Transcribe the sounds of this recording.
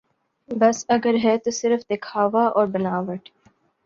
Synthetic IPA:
bɐsɐɡəɾɦɛːt̪osɪɾfd̪ekʰaːʋaʔɔːɾbɪnaːʋəʈ

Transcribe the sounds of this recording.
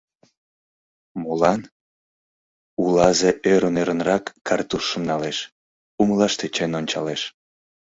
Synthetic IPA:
molɑn | ulɑzeʔøɾəneɾənrɑkːɑrt̪uʃːəmnɑleʃ | uməlɑʃt̪et͡ɕenonʲt͡ɕɑ̰leʃ

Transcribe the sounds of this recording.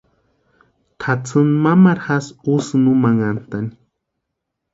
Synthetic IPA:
t̪ʰat͡sɨnmamaɾxasusnumaŋant̪ani̥

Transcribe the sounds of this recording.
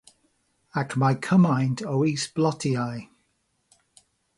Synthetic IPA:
akmaɪkʰəmãɪ̃ndʰoʊiˑsb̥lɒtʰiaɪ

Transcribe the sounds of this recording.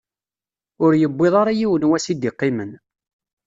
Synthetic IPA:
ʊɾjəbːɪðˤɑɾˤɑjiwənwæsid̪iqːimən

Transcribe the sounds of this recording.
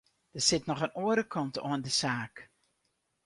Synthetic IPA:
d̥əsɪtnɔχənoːəɾəkʰɑnto̰əndəzaːk

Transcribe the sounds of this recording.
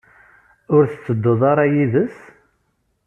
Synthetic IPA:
ʊɾθət͡sːəd̪ːəðˤɑɾˤɑjiðəs

